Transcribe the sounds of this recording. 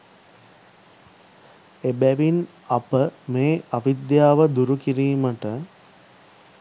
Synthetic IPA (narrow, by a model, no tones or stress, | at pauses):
ebæʋin | ɐpəmeːaʋid̪jaːʋəd̪uɾukiɾiːməʈə